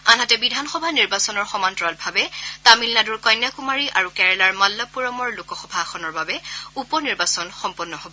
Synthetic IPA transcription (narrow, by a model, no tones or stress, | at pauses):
anɦatɛbidʱanxɔbʱaniɹbasɔnɔɹxɔmantɹalbʱabɛtamilnaduɹkɔjnjakumaɹiʔaɹukɛɹɛlaɹmalːapuɹɔmɔɹlukɔxɔbʱaxʰɔnɔɹbabɛupɔniɹbasɔnxɔmpɔnːɔhobɔ